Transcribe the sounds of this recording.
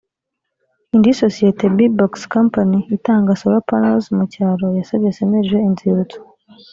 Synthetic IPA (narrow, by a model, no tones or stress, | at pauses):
indisosijetebibokskompaniːtaːŋɡasoɾopanelzmucaːɾojasabesemeʒɡeinziβuto̥